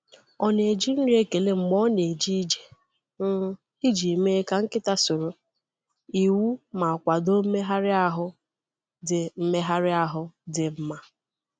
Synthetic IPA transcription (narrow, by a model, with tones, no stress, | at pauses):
ɔ˨ne˨d͡ʒi˦n̩˦ɾi˦e˦ke˨le˦ŋ͡m̩˨ɡ͡bɔ˦ne˨d͡ʒi˦d͡ʒe̥˨ | n̩˦ | i˦d͡ʒi˨me˦ka˨ŋ̩˦kɪ˦ta˦so˨ɾo˨ | i˨wu˦ma˨kʷa˨do˦me˦ɦa˦ɾɪ˦a˦ɦʊ˦ | dɪ˨m̩˦me˦ɦa˦ɾɪ˦a˦ɦʊ˦dɪ˨m̩˦ma˦